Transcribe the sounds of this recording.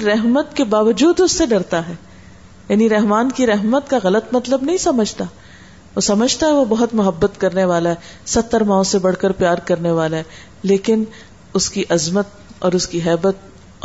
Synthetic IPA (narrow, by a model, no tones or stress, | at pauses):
ɾɛɦmət̪kebaːʋəd͡ʒuːd̪ʊsːeɖɐɾt̪aɦɛː | jaːniɾɛɦmaːnkiɾɛɦmət̪kaɣɐlət̪mɐt̪ləbnɐɦĩsɐməd͡ʒʱt̪a | osɐməd͡ʒʱt̪aɦɛʋobɐɦʊt̪mʊɦəbːət̪kɐɾneʋaːlaɦɛsɐt̪ːəɾmãːõsebɐɽ̤kəɾpjaːɾkɐɾneʋaːlaɦɛ | leːkɪn | ʊskiʔɐzmət̪̚ | ɔːɾʊskiɦɛːbət̪̚